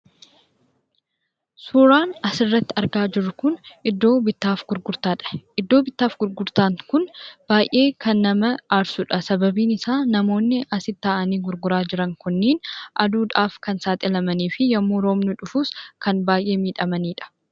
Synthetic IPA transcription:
suːɾaːnɐsɪrːɐt̪ːɪɐɾɡaːd͡ʒɪrːʊkʊnʔɪd̪ːo̞ːbɪt̪ːaːfɡʊɾɡʊɾt̪aːᶑɐ̥ʔɪd̪ːo̞ːbɪt̪ːaːfɡʊɾɡʊɾt̪aːŋkʊnb̥aːjʔe̞ːkɐnːɐmɐɐɾsʊᶑɐsɐbɐbiːnɪsaːnɐmo̞ːnːɪʔɐsɪt̪ːaːʔɐniːɡʊɾɡʊɾaːd͡ʒɪɾɐŋkʊnːiːnʔɐd̪uːᶑaːfkɐnsaːt̪ʼɪlɐmɐniːfɪjɐmːoɾo̞ːmnʊᶑʊfʊskɐnbaːjʔe̞ːmiːᶑɐmɐniːᶑɐ̥

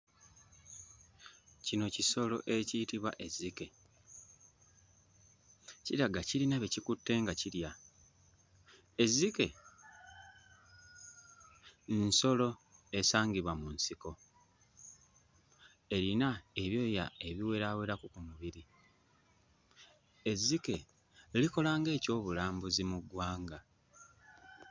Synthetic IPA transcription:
cino̞ciso̞lo̞̰ʔe̞ciːtiβwa̰ʔe̞zːike̞ | ciɾaɡaciɾinaβecikutːe̞ŋɡaciɾja | ezike̞ | nso̞lo̞e̞saːŋɡiβwamunsiko̞ | e̞ɾinae̞βjo̞ːjae̞βiwe̞ɾaːwe̞ɾakukumuβiɾi | ezːike̞ | liko̞laːŋɡe̞ːco̞ːβulaːmbuzimuɡwaːŋɡa

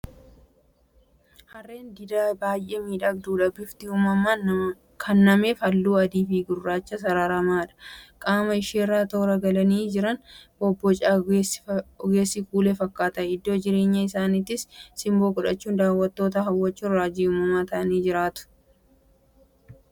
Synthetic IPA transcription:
hɐrːe̞ːnd̪ɪd̪aːbaːjʔeːmiːᶑɐɡd̪uːᶑɐbɪft̪ɪumɐma | kʰɐnːɐmeːfɐlːuːɐd̪iːfiːɡʊrːaːt͡ʃːɐsɐɾaːɾaːmaːᶑɐ̥kʼaːmɐɪʃeːrːaːt̪o̞ːɾɐɡɐlɐniːd͡ʒɪɾɐnbɔbːɔt͡ʃʼaːsɔɡe̞ːsːikuːlefɐkːaːt̪ɐɪd̪ːo̞ːd͡ʒɪɾe̞ːɲːɐɪsaːnɪt̪ːɪsːɪmbo̞ːkʼʊᶑɐt͡ʃːuːnd̪aːwːɐt̪ːo̞ːt̪ɐɦɐwːɐt͡ʃːuːnɾaːd͡ʒiʊːmɐmaːt̪ɐʔɐniːd͡ʒɪɾaːt̪ʊ̥

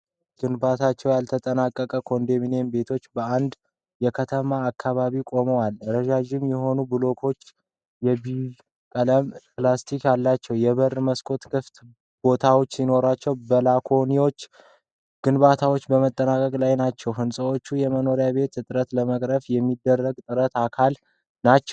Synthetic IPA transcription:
ɡ̥ɨnbat̪ʰat͡ʃːɛwjalt̪ʰət̪ʼənakʼːəkʼəkʰo̞nd̪eminenbe̞t̪ʰo̞t͡ʃːbəand̪ | jɛkʰət̪ʰəmaːkːaβaβikʼo̞məwalɾəʒad͡ʒɪmjɛɦo̞nubɨlo̞kʰo̞t͡ʃː | jɛbi | kʼələmplast̪ʰikjalːat͡ʃːɛwjɛβəɾməskʰo̞t̪kʰɨft̪ | b̥o̞t̪ʰawo̞t͡ʃːsino̞ɾat͡ʃːɛwbəlakʰo̞niwo̞t͡ʃː | ɡ̥ɨnbat̪ʰawot͡ʃːbəmət̪ʼːənakʼəɡʼlajnat͡ʃːɛwɦɨnsʼəwo̞t͡ʃːujɛməno̞ɾjaβe̞t̪ɨt̪ʼɨɾət̪ləməkʼɾəfjɛmːid̪ːərːəɡt̪ʼɨɾət̪akʰal | nat͡ʃːɛw

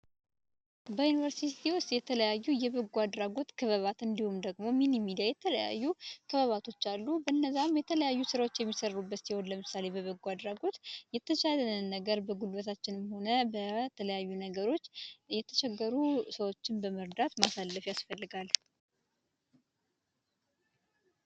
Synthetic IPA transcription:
bəjunivəɾsiiwʊst̪jɛt̪ʰələjajːujɛβəɡːuad̪ɾaɡo̞t̪kʰəβəβat̪ɨnd̪ihumd̪əɡmo̞minimid̪iajɛt̪ʰələja̰jːukʰəβəβat̪ʰo̞t͡ʃːalːubəɨnːəzːamjɛt̪ʰələjajːusɨɾawo̞t͡ʃːjɛmːisərːubːət̪siwonləmɨsale̞bəβəɡuad̪ɾaɡo̞t̪jɛt̪ʰːət͡ʃalənɨnːəɡəɾbəɡulbət̪ʰat͡ʃːɪnmho̞nəbət̪ʰələjajːunəɡəɾo̞t͡ʃːjɛt̪ʰə̥t͡ʃɛɡːəɾusəwot͡ʃːɪnbəməɾd̪at̪masalːəfjasfəlːɨɡal

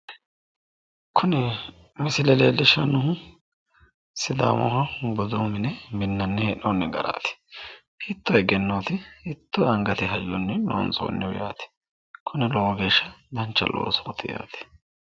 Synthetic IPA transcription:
kʰʊnɛ | mɪsɪlɛleːlːɪʃːɐnʊhʊ | sɪd̪a̰ːmɔ̰hɐbɔd̪uːmɪnɛmɪnːɐnːɛɛnonːɛɡɐɾa̰ːt̪ɪ̥hit̪ːɔɛɡɛnːoːt̪ɪhɪt̪ːɔɐŋɡɐt̪ɪɦɐjːɔnːɛno̰ːnso̰ːnːɛwʊjaːt̪ɪ̥ | kʰʊnɛloːɡeːʃːɐd̪ɐnt͡ʃːɐ̰lʔo̰ːsoːt̪ɪja̰ːt̪ɪ̥

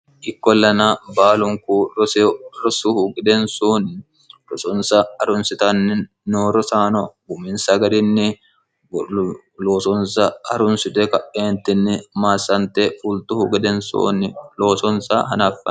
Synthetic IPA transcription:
ʔɪkːɔlːɐnabaːlʊŋkuɾɔseɾɔsʊhʊɡɛd̪ɛnsuːn | ɾɔsɔnsɐɐɾʊnsɪt̪ɐnːɪ | noːɾɔsaːnɔɡʊmɪnsɐɡɐd̪ɪnːɪ | loːsɔnsɐɐɾʊnsɪt̪ɛkɐʔeːnt̪ːɪnːɪmaːsɐnt̪ɛfʊlt̪ʊhʊɡɛd̪ɛnso̰ːnɪlo̞ːsɔnsa̰hɐ̰nɐfːɐ̰

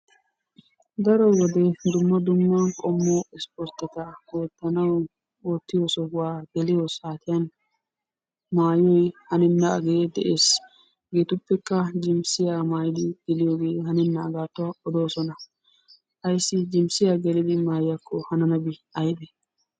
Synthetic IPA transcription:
d̪ɐɾɔwɔd̪ɛd̪ʊmːɐd̪ʊmːɐkʼɔmːoɪspɔɾt̪ːɪt̪ɐwoːt̪ːɐnɐw | oːt̪ːɪjɔsɔɡʊwaːɡ̪̥ɛlɪjɔsaːt̪ɪjɐn | maːjɔjhɐnɛnːɐɐɡeːd̪ɛʔeːs | ɡeːt̪ʊpːɛkːɐd͡ʒɪmsɪjaːmaːjɪd̪ɪɡ̪̥ɪlɪjoːɡe̞ːhɐnɛnːɐːɡaːt̪ːʊwɐɔd̪o̞ːsɔnɐ | hɐjsːɪd͡ʒɪmsɪjaːɡɛlɪd̪ɪmaːjjɐkʰːɔhɐnɐnɐbɪɐjd̪ɛ

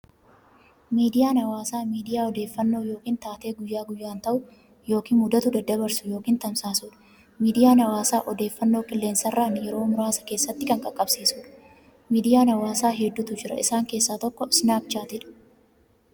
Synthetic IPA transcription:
miːd̪ɪjaːnɐwaːsaːmiːd̪ɪjaːɔd̪eːfːɐnːo̞ːjo̞ːkiːnt̪aːt̪e̞ːɡʊjːaːɡʊjːaːnt̪ɐʔʊ | jo̞ːkiːnmʊd̪ɐt̪ʊd̪ɐd̪ːɐbɐɾsʊjo̞ːkiːnt̪ɐmsaːsʊːᶑɐ̥ | miːd̪ɪjaːnɐwaːsaːʔɔd̪e̞ːfːɐnːo̞ːkʼɪlːeːnsɐrːaːnjɛɾo̞ːmʊɾaːsɐ̥ke̞ːsːɐt̪ːɪkɐŋkʼɐkʼːɐbsiːsuːᶑɐ̥ | miːd̪ɪjaːnɐwaːsaːɦɛd̪ːʊt̪ʊd͡ʒɪɾɐ̰ɪsaːŋke̞ːsːaːt̪ɔkːɔsnaːk̚t͡ʃaːt̪ɪᶑɐ̥

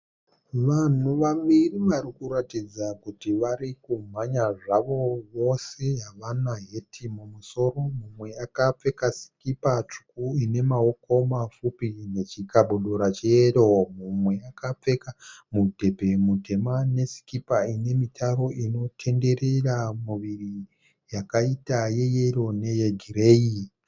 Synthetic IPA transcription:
ʋan̤uʋamiriʋarikuɾatid͡zakutiʋaɾikum̤aɲaʐaʋo̞ʋo̞se̞ɦaʋanaɦe̞tʰimumuso̞ro̞mumwe̞akap͡fe̞kasi̥kipat͡ʂu̥kuine̞maoko̞mafupine̞t͡ʃikaɓuɗuɾat͡ʃejero̞mumwe̞akap͡fe̞kamudʱe̞bʱe̞mudʱe̞mane̞si̥kipaine̞mitʰaɾo̞ʔino̞tʰe̞nde̞re̞ramuʋiri | jakaitaje̞jeɾo̞ne̞jeɡʱire̞i

